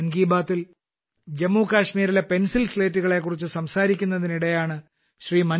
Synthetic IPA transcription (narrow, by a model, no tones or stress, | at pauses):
nɡiːbaːt̪ːil | d͡ʑemːuːkaːɕmiːɾile̞pe̞nsilsle̞ːtːuɣɐɭe̞kːurit͡ɕːɨsɐmsaːɾikʲːunːɐðiniɽejaːɳɨ | ɕriːmɐn